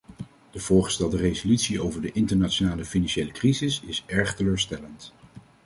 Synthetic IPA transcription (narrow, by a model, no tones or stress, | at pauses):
d̥əv̥ʊːɹχə̥stɛlˠdərejzolytsiowvəɹdəʔɪntəɹnat͡ʃonaːləfinɑnʃejləkrizɪsɪsɛɹχtəløːɹstɛlənt